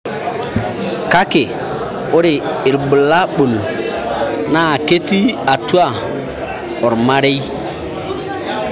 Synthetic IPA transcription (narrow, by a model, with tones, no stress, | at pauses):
ka˦ke˨ | o˦ɾe˨i˨ɾbə˨la˦ɓu˨l | na˦˨ke˦ti˦a˨tu˦a˦˨ | ɔ˨ɾma˦ɾe˦j